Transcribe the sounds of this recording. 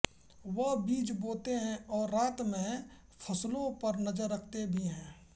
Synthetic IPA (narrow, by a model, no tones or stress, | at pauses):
ʋəɦbiːt͡ʃboːt̪eɦɛ̃ɔːɾːaːt̪mẽ | pʰəslõpəɾnəd͡ʒəɾːəkʰt̪ebʱiɦɛ̃ː